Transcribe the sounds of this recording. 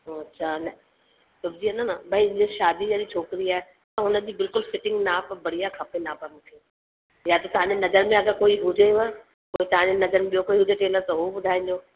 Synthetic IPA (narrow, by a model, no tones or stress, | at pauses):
ɦoɐtːɕʰanɐ | sʊbd͡ʑiːɐnanabɐĩɪ̃d͡ʑeʃaːd̪id͡ʑɐɗit͡ɕʰoːkɪɾiaːɦe | t̪ɐɦʊnə̆d͡ʑiːbɪlkʊlfɪʈɪ̃ŋɡnaːpɐbɐɽijakʰɐpenaːpɐmt̪ʰi | jat̪ɐt̪ɐɦãːɲd͡ʑenɐzəɾmẽɐɡəɾkoːiɦʊd͡ʑeɐ | koːit̪ɐɦãɲd͡ʑenɐzəɾmẽɓijokoːiɦʊd͡ʑeʈeːləɾt̪ɐɦoɓʊd̪ʱaːĩnd͡ʑoː